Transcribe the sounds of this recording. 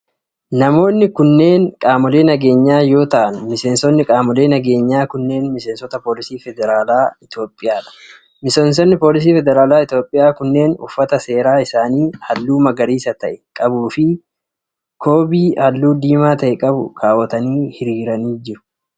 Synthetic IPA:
nɐmo̞ːnːɪkʊnːe̞ːnkʼaːmɔle̞ːnɐɡe̞ːɲːaːjo̞ːt̪ɐʔɐnmɪse̞ːnsɔnːɪkʼaːmɔle̞ːnɐɡe̞ːɲːaːkʊnːe̞ːnmɪse̞ːnsɔt̪ɐpo̞ːlɪsiːfɛd̪ɛɾaːlaːɪt̪jo̞ːpʼːɪjaːᶑɐ̥ | mɪseːns̬ɔnːɪpoːlɪs̬iːfɛd̪ɛɾaːlaːɪt̪joːpʼːɪjaːkʊnːe̞ːnʊ̰fːɐt̪ɐse̞ːɾaːɪsaːniːhɐlːuːmɐɡɐɾiːsɐt̪ɐʔɛkʼɐbuːfɪ | kʰo̞ːbiːhɐlːuːd̪iːmaːt̪ɐʔɛkʼɐbʊ̰kʰaːwɐt̪ɐniːhɪɾiːɾɐniːd͡ʒɪɾʊ̥

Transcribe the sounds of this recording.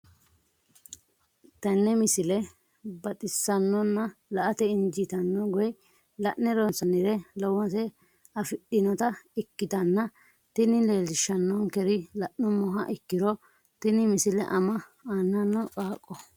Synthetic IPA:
t̪ɐnːɛmɪsɪlɛ | bɐt̪ʼɪsːɐnːɔnːɐlɐʔɐt̪ɛɪnd͡ʒɪt̪ɐnːɔɡɔj | lɐʔnɛɾɔnsɐnɪɾɛlɔwɔsɛ | ɐfɪɗɪnɔt̪ɐɪkːɪt̪ɐnːɐ | t̪ɪnɪleːlɪʃɐnːɔŋkɛɾɪlɐʔnɔmɔɦɐʔɪkːɪɾɔ | t̪ɪnɪmɪsɪlɛ̰ʔɐmɐaːnːɐnːɔkʼaːkʼːɔ

